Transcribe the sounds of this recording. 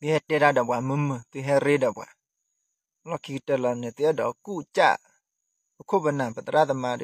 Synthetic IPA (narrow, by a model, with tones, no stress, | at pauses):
bi˧hɛ˧te˦da˦dɔ˨bwa˨mə˧˦mə˨t̪u˧ɦɛ˧ɾe˦dɔ˨bwa̰˨˦ | lɔ˦˨kʰi˧ktə˧˨la˨ne˨t̪i˧˦ɛ˦˨dɔ˨ku˦˨t͡ʃa̰˦˨ʔ | bə˨kʰo˦˨bə˧˨na˨pə˨t̪ə˨ɾa˦˨t̪ə˧˨ma˧˨d